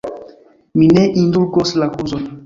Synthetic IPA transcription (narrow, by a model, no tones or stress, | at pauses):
mineʔinduɾɡoslakuzɔn